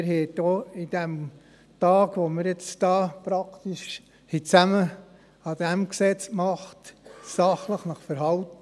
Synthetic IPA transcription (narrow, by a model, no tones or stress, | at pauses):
ɪɾɦɛd̥oːid̥æm | tɑːɡʋoməɾjet͡sd̥ɑːpɾɑkt̪iʃ | hit͡sæmə | ɑd̥̪æmksɛt͡skmɑχtsɑχləχnɑχfəɾɦɑltə